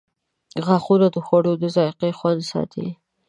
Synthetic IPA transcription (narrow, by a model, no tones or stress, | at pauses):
ɣaxunad̪əxwaɽod̪əzɑjqexwand̪sɑ̰t̪ʰḭ